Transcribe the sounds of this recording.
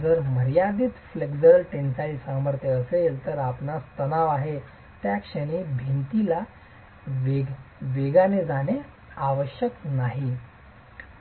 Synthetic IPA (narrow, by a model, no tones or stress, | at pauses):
d͡zəɾməɾjad̪iːt̪fleɡd͡zəlʈensaisaməɾt̪ʰeəselt̪əɾapnast̪ənaʋaɦe | t̪jakʂəɽ̃ibʱent̪ila | ʋeɡʋeɡaned͡zane | aʋəɕjəknaɦi